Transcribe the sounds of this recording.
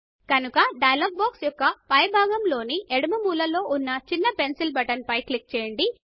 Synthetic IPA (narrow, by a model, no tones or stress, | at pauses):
kɐnukɐɖɐjɐlɐːɡ̚baːksjɔkːɐpɐjɐbʱaːɡɐmlo̞ːniʔeɽɐmɐmuːlɐlo̞ːʔunːɐt͡ʃinːɐpe̞nsilbɐʈɐnpɐjklik̚t͡ʃɛːjɐɳɖi